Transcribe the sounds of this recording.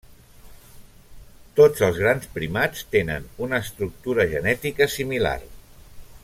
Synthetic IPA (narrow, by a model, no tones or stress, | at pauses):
t̪od͡zəlˠzɣ̞ɾanspɾimat͡st̪enə̰nunəːst̪ɾuk̚t̪uɾəʒənɛt̪ikəsimila̰r